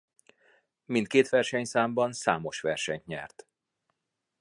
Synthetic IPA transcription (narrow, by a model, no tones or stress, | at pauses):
mint̪̚keːt̪ʋɛrʃɛɲsaːmbɒnsa̰ːmo̞ʃʋɛrʃɛɲt̪ɲɛ̰rt̪